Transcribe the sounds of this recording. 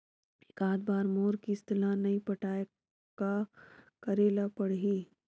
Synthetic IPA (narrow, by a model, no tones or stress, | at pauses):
ɪkaːd̪baːɾmoːɾkiɪst̪ɪlanɐĩpɐʈaːe | kakɐɾeːlapɐɽ̤ɦiː